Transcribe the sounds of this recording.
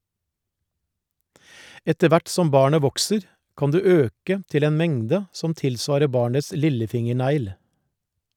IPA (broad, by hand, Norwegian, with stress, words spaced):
ˈɛtə ˈʋæʈ ˈsɔm ˈbɑːɳə ˈʋɔksəɾ ˈkɑn ˈdʉː ˈøːkə ˈtɪl ˈeːn ˈmɛŋdə ˈsɔm ˈtɪlˌsʋɑːɾə ˈbɑːɳəs ˈlɪləˌfɪŋəˌɳæɪl